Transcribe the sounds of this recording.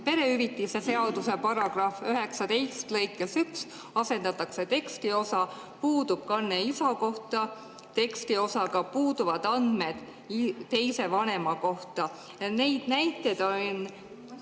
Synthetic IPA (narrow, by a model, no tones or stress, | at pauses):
pe̞ɾe̞yɾit̪ˑːise̞se̞ɑd̪̥use̞pɑɾɑɡ̥rɑføɦe̞ksɑd̪e̞jst̪lɤ̞jkːˑesyks | ɑse̞nd̪ɑt̪ːˑɑkse̞t̪e̞kst̪io̞sɑ | puːd̪ub̥̚kɑnːeisɑko̞ht̪ˑɑ | t̪e̞kst̪io̞sɑɡɑpuːd̪uvɑd̪̥ɑnd̪̥me̞d̪̥ | t̪e̞jse̞vɑne̞mɑko̞ht̪ˑɑ | jɑne̞jd̪̥næjt̪ːˑe̞d̪̥on